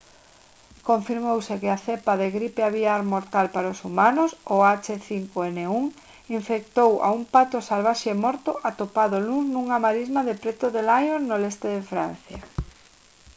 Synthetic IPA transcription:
koɱfiɾmowsekɪaθepaðeɣɾipeaβiaɾmoɾt̪alpaɾosumanʊsoat͡ʃeθiŋkoeneuŋ | iɱfek̚t̪owʔa̰umpat̪osalβ̞aʃeemɔɾt̪oʔat̪opaðoluznuŋamaɾizmaðepɾet̪oðelajonnolest̪eðefɾa̰n̟θja

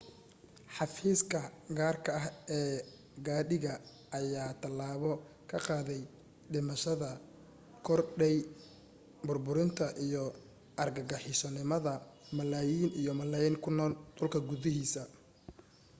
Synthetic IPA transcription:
ħɑfiːskʰɐɡaːrkʰɐɐɦɛː | ɡaːɗɪɣɐ | ɐjaːt̪ʰɐlaːβɔ | kʰɐqɑːðɛj | ɖɪmɐʃɐðɐ | kʰɔrɖɛj | bʊrbʊɾɪnt̪ʰɐʔijɔ | ʔɐrɡɐɡɐħɪsɔnɪmɐðɐmɐlaːjiːnijɔmɐlaːjiːŋkʰʊnɔːld̪ʊlkʰɐɡʊðɪɦiːsɐ

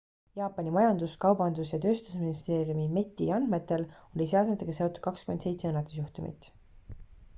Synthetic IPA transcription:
jɑːpːˑɑnʲimɑjɑnd̪uskɑwbɑnd̪usjɑt̪ø̞ːst̪usminist̪e̞ːɾiumime̞t̪ʲːˑiɑnme̞t̪ːˑe̞lo̞liseɑd̪met̪ːˑeɡ̥ɑse̞o̞t̪ːˑud̪̥̚kɑkskymed̪se̞jt̪se̞ɤnːɑt̪ːˑu̥sjuht̪umʔḭt̪ˑ

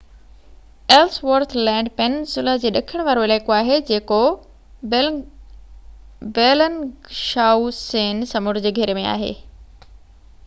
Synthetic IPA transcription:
elsʋəɾt̪ʰlɛ̃ːɳɖpɛnsʊləd͡ʑeːɗɐkʰəɽ̃ʋaːɾoɪleːkoaːɦed͡ʑeːko | beːlənʃaːuseːnsɐmʊɾd͡ʑeɡʱɐɾemẽa̰ːɦḛː

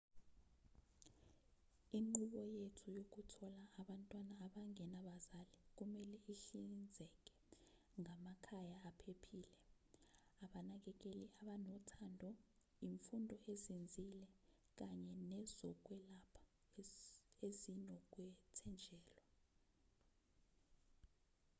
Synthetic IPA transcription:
iŋ͡ǃuɓɔjetʰujok̬utʰɔlaːɓantʼwanaːɓaŋɛnaɓazalik̬umɛlɛiɬind͡zʱɛk̬ʼɛ̥ | ŋamakʰajaːpʰepʰiːlɛ | aɓanak̬ɛk̬eliaɓanɔtʰandʱɔ | jiɱfundʱɔʔezind͡zʱilɛ | k̬aɲɛnɛzɔk̬wɛlapʰḁ | ezinɔk̬wɛtʰɛnd͡ʒʱɛːlɔ

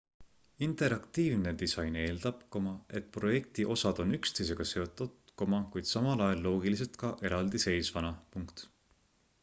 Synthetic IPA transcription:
int̪ˑe̞ɾɑkt̪iːvne̞d̪̥isɑjne̞ːlt̪ɑpkomɑe̞t̪pro̞je̞k̚t̪iʔo̞sɑd̪̥o̞nykst̪e̞js̬e̞ɡ̥ɑse̞ot̪ːˑut̪komɑkujd̪̥sɑmɑlɑjɑlːo̞ːɡilis̬e̞lt̪kɑʔe̞ɾɑld̪̥ise̞jsvɑnɑpuŋkt̪

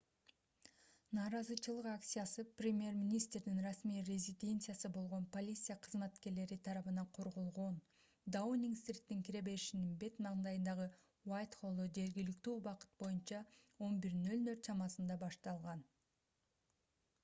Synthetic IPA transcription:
nɑːɾɑzɯt͡ʃɯlˠɯqakt̪sʲɨjasɯprʲɪmʲje̞rmʲinʲist̪rd̪inrɑsmijrʲezʲid̪ʲe̞nt̪sɨjasɯbo̞lˠʁo̞npo̞lʲit̪sɨjaqʰɯzmæt̪ke̞ɾle̞ɾit̪ʰɑɾɑβɯnɑqʰo̞ɾʁo̞lˠʁo̞n | d̪aunʲiŋkst̪rʲit̪ːiŋkʲiɾe̞be̞ɾiʃininbe̞t̪nɑʁnd̪ɑjɯnd̪ɑʁɯ | wajt̪χo̞lˠod͡ʒe̞ɾɡʲilikt̪yːbɑqɯ̥t̪̚bo̞junt͡ʃɑ | o̞nbiɾnø̞lnø̞ɾt̪t͡ʃɑmɑsɯnd̪ɑbɑʃt̪ɑlˠʁɑn

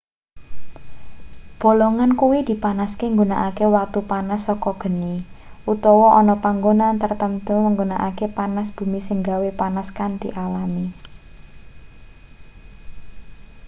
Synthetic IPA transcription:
b̥o̤lɔŋankuwid̪̥i̤panaskeŋɡunaʔakewak̚t̪upanasːɔkɔɡ̥ə̤niʔut̪ɔwɔʔɔnɔpaŋɡonant̪ərt̪əmt̪uməŋɡonaʔakepanasb̥ṳmisəŋɡawepanaskant̪ḭʔalami

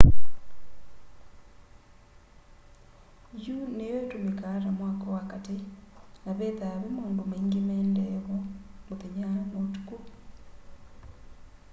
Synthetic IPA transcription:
junejɔɛtomekaɾamwakɔwakatenaβɛðaβemoːndomeiŋɡemɛːndɛβɔmoðɛɲamotu̥ku

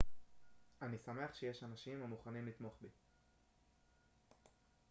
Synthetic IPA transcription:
anisame̞aχʃe̞je̞ʃanaʃimamuχanimlit̪mo̞χbi

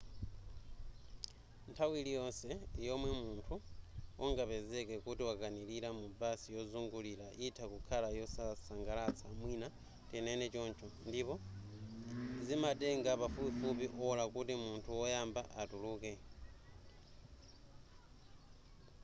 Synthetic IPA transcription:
ntʰawilijonsejomwemuːntʰuoŋɡapezekekutiwakanililamubaːsijo̞zuŋɡulilaʔitʰakukʰalajosasaŋɡalat͡sʰamwina | tenenet͡ʃoːnt͡ʃʰondipo̞ | zimadeŋɡapafupifup̬iʔolakutimuːntʰuwojaːmbaʔatuluke

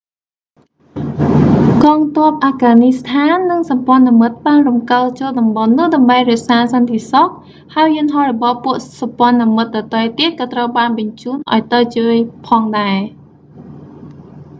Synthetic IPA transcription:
kɑːŋt̪ŏəp̚ʔaːɡaːnist̪ʰaːnːɨŋsɑmpŏənamɨt̪̚ɓaːnrumkəlt͡ɕoːl̚ɗɑmɓɑnːʊ̆əhɗɑmɓəjrɛ̆əʔsaːsɑnt̪esok̪̚ | haəjːɨənɦɑhrɔɓɑhpuəʔsɑmpŏənamɨt̪̚ɗɑt̪əjt̪eːkɑːt̪rəwɓaːnɓɑɲt͡ɕuːnʔa̰ɔjt̪ət͡ɕəːjpʰɑːŋɗaɛ

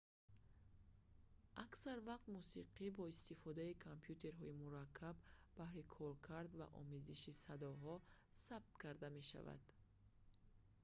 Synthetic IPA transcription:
ʔaksaɾvaq̚t̪musiqʰibɔist̪ifɔd̪aikʰampʰjut̪ʰe̞ɾɦɔimuɾakʰːabːahɾikʰɔlkʰaɾd̪va̰ʔɔ̰meziʃisad̪ɔɦɔ | sab̚t̪kʰaɾd̪ame̞ʃa̰va̰d̪̥

